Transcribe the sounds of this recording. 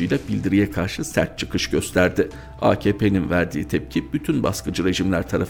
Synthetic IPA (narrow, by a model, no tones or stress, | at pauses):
ɯjlʲˠabilʲd̪iɾijɛkʰaɾʃɯsæ̰ɾt̪̚t͡ʃʰɯ̥kʰɯʃɟø̞st̪ʰæɾd̪ɪ | a̰ːcʰeːpʰe̞ninvæɾd̪iːt̪ʰɛp̚cʰib̥yt̪ʰynba̰skʰɯd͡ʒɯɾe̞ʒimlʲæɾt̪ʰaɾaf